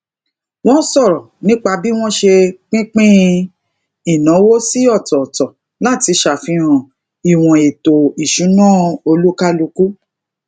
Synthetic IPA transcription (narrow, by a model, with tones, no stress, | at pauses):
w̃ɔ̃˦sɔ˦˨ɾɔ˨nĩ˦k͡pa˧bi˦w̃ɔ̃˦ʃe˧k͡pĩ˦k͡pĩ˦ | i˦˨nã˨˦wo˦si˦ɔ˦˨tɔ˨tɔ˨ | la˦˨ti˧ʃa˨fĩ˧ɾ̃ã˨ | i˨w̃ɔ̃˨e˨to˨i˨ʃũ˨˦nãː˦˨o˧lu˦ka˦lu˧ku˦